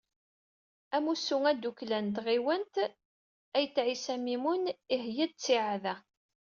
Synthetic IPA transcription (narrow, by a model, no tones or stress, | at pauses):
æmusːuŋæd̪uklænt̪ʁiwənt̪ | æjt͡sːʕisæmimuniɦjæd̪̚t͡sːiʕaðæ